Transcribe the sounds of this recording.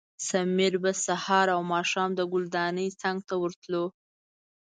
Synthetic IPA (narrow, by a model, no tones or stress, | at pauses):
samiɾbasahɑɾawmɑʃɑmd̪əɡʊld̪ɑnəjt͡saŋɡt̪awəɾt̪lo